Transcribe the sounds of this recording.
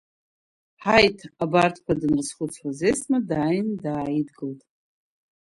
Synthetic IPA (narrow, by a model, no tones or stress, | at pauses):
ħajtʰabartʰkʷadɨnrsχʷʊt͡sʰħazesmadaːjndaːjidɡɨltʼ